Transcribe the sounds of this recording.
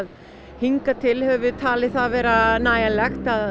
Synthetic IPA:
ð | hiŋkat̪ʰɪlhɛvvʏt̪ʰaːlɪθaðvɛːɾanaːjalɛxt̪að

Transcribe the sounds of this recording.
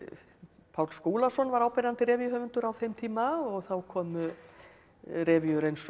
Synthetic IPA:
pʰawlskuːlasɔnvaɾaːwpɛɾant̪ɪɾɛːvjʏɦœːvʏnt̪ʏɾawθejmt̪ʰiːmaɔɣθawkʰɔːmʏ | rɛːvjʏɾejns

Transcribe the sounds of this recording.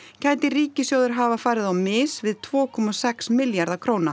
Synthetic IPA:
cʰaːjt̪ɪɾiːcɪsjoːwðʏɾɦaːvafaːɾɪðawmɪːsvɪðt̪ʰvɔːkʰɔmasɛksmɪljaɾðakʰɾoːwna

